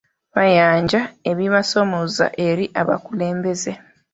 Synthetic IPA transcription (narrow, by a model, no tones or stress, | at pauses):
βajaːɲɟae̞βiβasomoza̰ʔe̞ɾiʔaβa̰kule̞ːmbe̞ze